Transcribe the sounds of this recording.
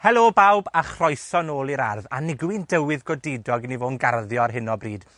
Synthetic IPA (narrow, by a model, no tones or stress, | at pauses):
hɛlˠoːbawbaχrɔjθɔnoːlˠiɾa̰rða̰nɪɡwɪndəwɪðɡɔdedɔɡnivoːnɡarðjɔrɦɪnɔbriːd̥